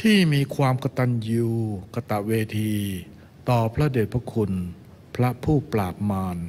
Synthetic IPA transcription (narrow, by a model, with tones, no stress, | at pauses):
t̪ʰiː˥˩miː˧kʰwaː˧mka˧t̪a˧˩njuː˧ka˧t̪a˨˩ʔweː˧t̪ʰiː˧ | t̪ɔː˨˩pʰɾa˦˥deː˨˩t̪̚pʰɾa˦˥kʰu˧n | pʰɾa˦˥pʰuː˥˩plaː˨˩p̚maː˧n